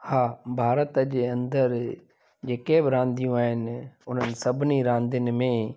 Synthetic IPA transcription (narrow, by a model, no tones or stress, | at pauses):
haːbʱaːɾət̪d͡ʑeːɐ̃nd̪əɾ | d͡ʑeːkebɪɾãːnd̪ijũaːɦɪnʊn̤ənɪ̆sɐbʱɪniɾãːnd̪ɪnɪ̆mẽ